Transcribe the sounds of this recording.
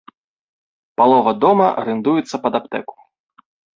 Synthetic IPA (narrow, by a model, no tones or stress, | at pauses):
palˠɔvɐd̪ɔmɐɾɨnd̪ujɛt̪sːɐpɐd̪apt̪ɛku̥